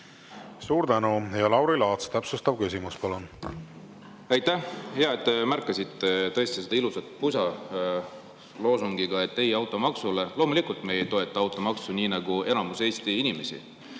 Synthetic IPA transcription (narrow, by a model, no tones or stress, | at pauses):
suːɾt̪ænujɑlɑwɾilɑːt̪st̪æpsust̪ɑb̥̚kysimuspɑlun | æjt̪ːæhjɑet̪ˑːemærkːˑɑsit̪ːˑet̪ɤ̞e̞st̪ise̞d̪ɑilusɑt̪̚pusɑ | lo̞ːsuŋɡiɡ̥ɑe̞t̪ːe̞jɑwt̪ːˑo̞mɑksule̞lo̞ːmulikult̪me̞jet̪o̞e̞t̪ːˑɑɑwt̪ːˑo̞mɑksunʲiːnɑɡ̥ue̞nɑmuse̞ːst̪iinime̞sʲḭ